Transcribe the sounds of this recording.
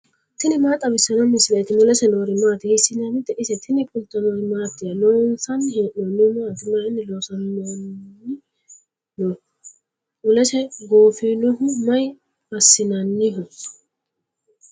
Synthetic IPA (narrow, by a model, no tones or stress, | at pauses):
t̪ɪnɪmaːt̪ʼɐbɪsːɐnɔmɪsɪlet̪ɪnʊlɛsɛnoːɾɪmaːt̪ɪhɪsːɪnɐnɪt̪ːɛʔɪsɛt̪ʰɪnɪpʼʊlt̪ːɐnɔmaːt̪ːɪɐnɔːnsɐnhɪʔɔnːɪmaːt̪ɪmaɪnːɪloːsɐnːɔnɪ | nɔ | nʊlɛsɛɡoːfɪnɔhʊmɐj | bɐsːɪnɐnːɪɦʊ